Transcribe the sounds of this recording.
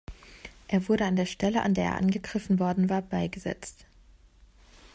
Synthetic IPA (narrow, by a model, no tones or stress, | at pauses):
ʔeːɐvʊɐɾəandeːɐʃtɛləʔa̰ndeːɐʔḛɐʔa̰nɡəɡʁɪfn̩vɔɐdn̩vaːɐbaɪɡəzɛ̰t͡st